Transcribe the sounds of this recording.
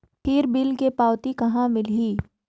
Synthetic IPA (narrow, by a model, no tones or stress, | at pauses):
ʈʰiːɾbiːlkepaːwt̪ikɐɦãmɪlɦiː